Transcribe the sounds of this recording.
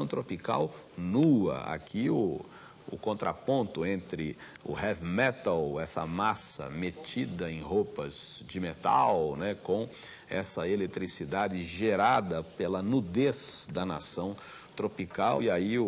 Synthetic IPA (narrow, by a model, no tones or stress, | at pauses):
w̃t̪ɾopikaw | nuɐ̰a̰kʰiʊ | ʊ̰kõnt̪ɾa̰põnt̪ʊẽnt̪ɾɪ | ʊ̰hɛvmɛt̪ɐlɛsɐ̰masɐ̰met͡ʃid̪ɐẽj̃ɦopɐz̥d͡ʒɪmet̪a̰wnɛkõ | ɛsɐelet̪ɾisid̪ad͡ʒɪʒeɾad̪ɐpelɐnud̪esd̪ɐna̰sɐ̃w̃t̪ɾopikawiaiʊ